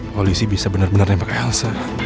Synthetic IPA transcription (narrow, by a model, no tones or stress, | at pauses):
polisibisabənarbənarɲapakaalsa